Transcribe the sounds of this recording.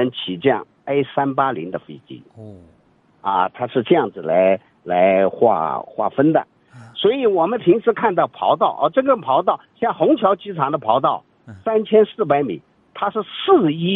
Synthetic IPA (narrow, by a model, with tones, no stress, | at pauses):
ə˧˥nt͡ɕʰi˨˩t͡ɕɑ̰˥˩ŋ | e˥ɪsa˥npa˥li˧˥ŋd̪ə˧fḛ˥˩t͡ɕḭ˥ | ɐ̰˧t̪ʰa˥ʂɻ̩˥˧ʈ͡ʂɤ˥˧jɑ˥˩ŋd͡zɹ̩˩la˧˥ɪ | la˧˥ɪxwa̰˥˩xwa̰˥˩fə˥nd̪ə̰˨ | swɔ˧˥i˧˩wɔ˨˩mə˦npʰi˧˥ŋʂʰɹ̩˧˥kʰa˥˧nt̪̬ɑ˥˩ʊpʰɑ̰˧˥ʊt̪ɑ˥˩ʊʔə˥˧˩ʈ͡ʂɤ˥˩ɡə˧˩pʰɑ˧˥ʊt̪ɑ˥˩ʊɕjɑ˥˩xʊ˧˥ŋt͡ɕʰjɑ˧˥ʊt͡ɕi˧˥ʈ͡ʂʰɑ˨˩ŋd̪ə˧pʰɑ˧˥ʊt̪ɑ˥˩ʊ | sa˥nt͡ɕʰjɛ˥nsɹ̩˥˩pa˧˥ɪmḭ˨˩˦ | t̪ʰa˥ʂɻ̩˥˧sɹ̩˥˩i˥